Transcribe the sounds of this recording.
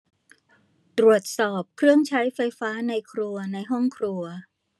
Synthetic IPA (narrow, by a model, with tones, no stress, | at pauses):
t̪ɾu˨˩ət̪̚sɔː˨˩p̚kʰɾɯ˥˩əŋt͡ɕʰa˦˥jfa˧jfaː˦˥na˧jkʰɾu˧ɐna˧jɦɔ˥˩ŋkʰɾu˧ɐ